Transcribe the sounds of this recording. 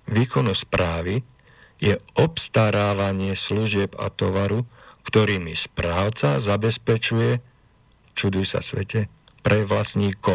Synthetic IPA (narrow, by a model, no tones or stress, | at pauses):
ʋiːkɔnɔspɾaːʋi | jɛɔpst̪aɾaːʋaɲɪɛsluʒɪɛba̰t̪ɔʋaɾukt̪ɔɾiːmispɾaːʊt͡sazabɛspɛt͡ʃujɛ | t͡ʃud̪ujsa̰sʋɛ̰cɛ | pɾɛʋlasɲiːkɔ